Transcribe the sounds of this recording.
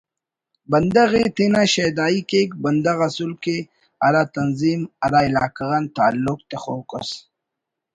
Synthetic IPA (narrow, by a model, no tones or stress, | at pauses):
bɐnd̪aɣet̪inaʃed̪aːikekbɐnd̪aɣasulke | aɾat̪ɐnzimaɾaɪlaːkaɣant̪aːlːʊk̚t̪exokəs